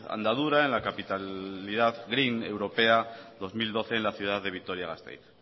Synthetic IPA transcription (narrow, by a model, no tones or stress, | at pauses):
a̰nd̪að̞uɾaenlakapit̪aliðaðɣɾinewɾo̞peaðo̞zmild̪o̞θe̞ːnlaθjuð̞aððe̞β̞it̪oɾjaɣa̰st̪ḛjɾ